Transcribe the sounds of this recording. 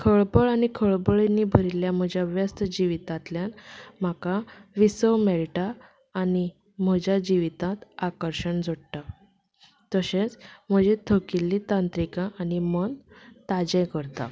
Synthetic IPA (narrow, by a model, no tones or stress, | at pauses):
kʰəɭpəɭanikʰəɭbəɭenːibʱəɾiljam̤əd͡ʑaʋjast̪əd͡ʑiʋit̪ãt̪ljanm̤akaʋisəʋmeɭʈaː | ni | m̤əd͡ʑad͡ʑiʋit̪ãt̪akəɾɕəɳd͡zʱoɽʈa | t̪əɕet͡sm̤əd͡ʑet̪ʰəkilːit̪ãnt̪ɾikãʔːnimənt̪ad͡ʑɛ̃kəɾt̪a̰